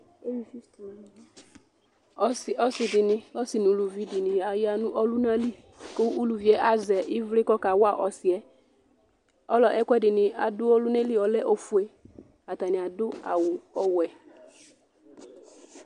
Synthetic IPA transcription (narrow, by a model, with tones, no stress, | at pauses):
e˦wi˨fi˦st̪o˨˦l | ɔ˦sɪ˨ɔ˦sɪ˨dɪ˨nɪ̃˨ɔ˦sɪ˨nʊ˨lu˨vi˦dɪ˨nɪ̃˨a˨ja˦nʊ̃˦ʔɔ˦lʊ˦nã˦li˦ | ko˦ʔu˦lu˨vi˨˦ɛ˦ʔa˦zɛ˨ʔɪ˦vlɪ˦kɔ˦ka˨wʊ˦a˦˨ʔɔ˨sɪ˨ɛ˦ | ɔ˦lɔ˨ʔɛ˦kʷɛ˦dɪ˨nɪ̃˨a˨dʊ˦ɔ˦lʊ˦ne˦li˦ɔ˨lɛ˦ʔɔ˨fu˨e˦ | a˨ta˨nɪ̃˨a˨dʊ˦a̰˨wʊ˨ɔ˦wɛ˨